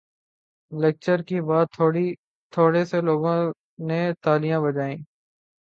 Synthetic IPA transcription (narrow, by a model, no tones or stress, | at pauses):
lɛːk̚t͡ʃəɾkibaːd̪̚ʰoːɽi | t̪ʰoːɽeseloːɡõ | net̪aːlijãbɐd͡ʒaːĩː